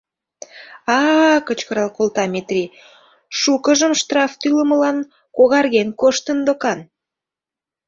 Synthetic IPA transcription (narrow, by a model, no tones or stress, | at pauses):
ɑkət͡ɕkəɾɑlˠkolt̪ɑmet̪rʲi | ʃukəʒəmʃt̪rɑft̪yləməlɑn | koɣɑrɣenkoʃt̪ənd̪okɑn